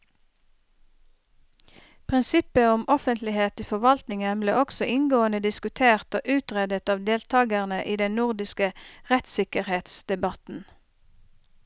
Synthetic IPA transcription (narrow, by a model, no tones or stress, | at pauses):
pʰʁɪnsɪpəʊmʔɔfənt̪lɪheːt̪iːfɔʁʋɑlt̪nɪŋənbleːɔksɔʔɪŋɡoːənəd̪ɪskʉt̪ʰeːʁt̪oːʔʉːt̪ʁɛd̪ət̪ɑːʋd̪eːlt̪ʰɑːɡəʁnəʔiːd̪ɛnnʊʁd̪ɪskəʁɛt̪sɪkəʁheːt̪sd̪̥ɛbɑt̪n̩